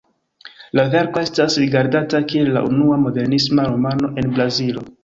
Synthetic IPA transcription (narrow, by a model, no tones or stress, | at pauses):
lave̞ɾko̞e̞stasɾiɡaɾdatakie̞lːa̰ʔunuamo̞de̞ɾnismaɾomano̞ʔe̞nbɾazilo̞